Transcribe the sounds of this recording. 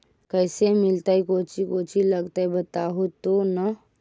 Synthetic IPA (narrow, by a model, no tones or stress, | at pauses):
kəjsemilt̪əjkot͡ʃʰikot͡ʃiləɡt̪əjbət̪aɦut̪onə